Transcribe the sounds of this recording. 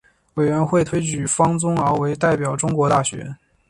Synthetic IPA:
we˨˩ɪɥɛ˧˥nxwe˥˩ɪt̪ʰwe˥ɪt͡ɕy˨˥˩fɑ˥ŋt͡sʊ˥ŋɑ˧˥we˧˥ɪt̪a˥˩ɪpjɑ˨˩ʊʈ͡ʂʊ˥ŋkwɔ˧˥t̪a˥˩ɕɥɛ̰˧˥

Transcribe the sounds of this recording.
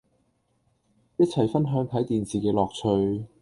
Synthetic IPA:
jɐ˥t̚t͡sʰɐ˨˩jfɐ˥nɦœː˨˥ŋt̪ʰɐ˨˥jt̪iː˨nsiː˨˩kɛː˧lɔː˨k̚t͡sʰɵ˧ɥ

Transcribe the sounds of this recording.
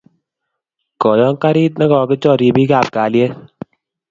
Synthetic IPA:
kɔ˨jɔ˦ŋ˦ka˦ɾi˦t̬̚nɛ˦kɔ˧˨kɪ˦t͡ʃɔ˦˨ɾi˧bi˦ka˨p̚kaː˨lje˦

